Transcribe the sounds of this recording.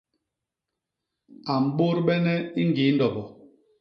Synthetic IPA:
a˨m̩˨ɓo˦ɾɓɛ˦nɛ˦i˦ŋ˦ɡi˨˦n̩˦dɔ˨bɔ˨

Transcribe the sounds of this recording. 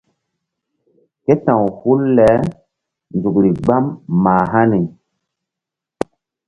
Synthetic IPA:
ke˦tã˨whu˦lːɛ˨˦ | nd͡zu˨kɾi˨ɡ͡ba˦mːaː˨ɦa˦ni˨

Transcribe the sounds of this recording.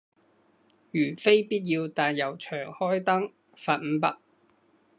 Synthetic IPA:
jyː˨˩fe˥jpiː˥t̚jiː˧wt̪aː˨njɐ˨˩wt͡ʃʰœː˨˩ŋhɔː˥jt̪ɐ˥ŋ | faː˨t̚m̩˨˥pɐ˥k̚

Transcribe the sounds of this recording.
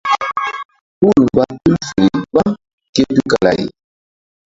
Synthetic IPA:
pu˦˨lmba˦tu˦lfe˨ɾi˨ba˦ | ke˦tu˦ka˨la̰˨ji˨

